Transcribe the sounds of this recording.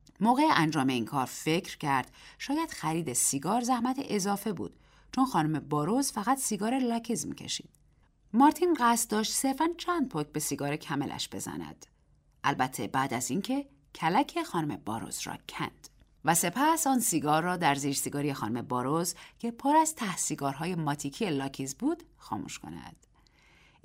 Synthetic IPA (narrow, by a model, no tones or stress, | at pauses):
moːɣe̞eʔænd͡ʒɒːme̞iːnkʰɒːɾfe̞cʰɾcʰæɾd̪̥ʃɒːjæd̪̥xæɾiːd̪esiɡɒːɾzæhmæt̪ʰeʔezɒːfe̞bṵːd̪̥ | t͡ʃʰonxɒːnome̞bɒːɾozfæɣæt̪siɡɒːɾelæcʰizmḭːcʰe̞̰ʃḭːd̪̥ | mɒːɾt̪ʰiːnɢæst̪̚d̪ɒːʃt̪se̞ɾfænt͡ʃʰænd̪̚pʰoːk̚ʰbe̞siɡɒːɾecʰæme̞̰lʔæ̰ʃb̥e̞̰zæ̰næ̰d̪̥ | ʔælbæt̪ʰːe̞bæːd̪æziːncʰe̞ | cʰælæcʰexɒːnome̞bɒ̰ːɾo̰z̥rɒ̰ːcʰæ̰nd̪̥ | væse̞pʰæsɒːnsiɡɒːrːɒːd̪æɾziːd͡ʒsiɡɒːɾijexɒːnume̞bɒːɾozcʰe̞pʰoɾæzt̪ʰæhsiɡɒːɾɦɒːje̞mɒːt̪ʰicʰijelɒːcʰiːzbuːd̪̥xɒ̰ːmṵʃko̞̰næ̰d̪̥